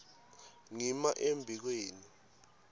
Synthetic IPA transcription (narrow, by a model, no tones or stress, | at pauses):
ŋimaʔembʱik̬weːni